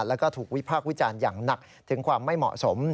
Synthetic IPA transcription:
lɛː˦˥wkɔː˥˩t̪ʰuː˨˩k̚wi˦˥pʰaː˥˩k̚wi˦˥t͡ɕaː˧njaː˨˩ŋna˨˩k̚ | t̪ʰɯ˩˦ŋkʰwaː˧mːa˥˩jmɔ̰˨˩so˩˦m

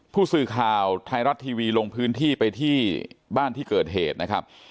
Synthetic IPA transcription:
pʰuː˥˩sɯː˧˩kʰaː˨˩wt̪ʰa˧jɾa˦˥t̪ʰːiː˧wiː˧lo˧ŋpʰɯː˦˥nt̪ʰiː˥˩pa˧jt̪ʰiː˥˩baː˥˩nt̪ʰiː˥˩kɤː˨˩t̪̚ɦeː˨˩t̪̚na˦˥kʰɾa˦˥p̚

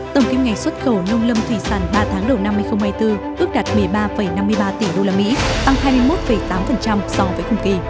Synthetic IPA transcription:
t̪ə˧˩wŋ͡mki˧mŋa˨˩jŋ̟swə˦˥t̚xə˨˧˩wnə˧wŋ͡mlə˧mt̪ʰwi˧˩saː˧˩nɓaː˧t̪ʰaː˨˦ŋɗə˨˩wna˧mːɨ˧əjxə˧ŋ͡mhaː˧jt̪ɨ˧ʔɨ˦˥ək̚ɗa˨˩t̚mɨ˨˩əjɓaː˧fə˧˩jna˧mːɨ˧jɓaː˧t̪i˧˩ɗo˧laː˧mḭ˧˥t̪a˧ŋhaː˧jmɨ˧əjmo˦˥t̚fə˨˩jt̪aː˨˦mfə˨˩nt͡ɕa˧msɔ˧vəː˨˦jkʊ˨˧˩ŋ͡mki˧˨˩

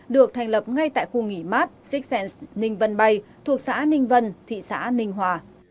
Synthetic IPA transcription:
ɗɨ˨˩ək̚t̪ʰa˨˩ŋ̟lə˨˩p̚ŋa˧jt̪a̰ː˧˨jxu˧ŋi˧˩maː˦˥t̚si˦˥k̚sɛ˧nsnï˧ŋ̟və˧nɓa˧jt̪ʰu˨˩ək̚sa̰ː˧˥nï˧ŋ̟və˧nt̪ʰḭ˧˨sa̰ː˧˥nï˧ŋ̟ɦwaː˨˩

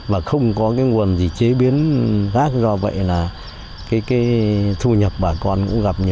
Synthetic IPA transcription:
vaː˨˩xə˧wŋ͡mkɔ˨˦kaː˨˦jŋu˨˩ənzi˨˩t͡ɕe˨˦ɓi˨˦ənxaː˦˥k̚zɔ˧və̰˧˨jlaː˨˩ | kaː˨˦jkaː˨˦jt̪ʰu˧ɲə˨˩t̚ɓaː˨˩kɔ˧nkʊ̰˧˥ŋɣa˨˩p̚ɲɨ˧˩

